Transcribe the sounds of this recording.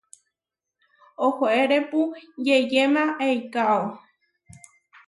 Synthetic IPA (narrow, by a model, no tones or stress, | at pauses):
ohoʔeɾepud͡ʒejemãʔejkao